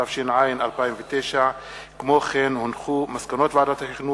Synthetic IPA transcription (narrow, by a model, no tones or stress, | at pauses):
afʃinʕajinalpaimvet̪ejʃa | kmo̞χenhonχumaskano̞t̪veadat̪ahiχnu